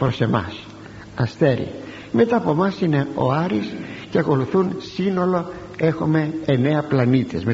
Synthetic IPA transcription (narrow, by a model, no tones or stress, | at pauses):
pɾo̞se̞mɐ̰s | ɐst̪e̞ɾḭ | me̞t̪ɐːpo̞mɐsine̞o̞̰ɐɾisceɐko̞luθunsino̞lo̞ | e̞xume̞ːne̞ɐplɐnit̪ezme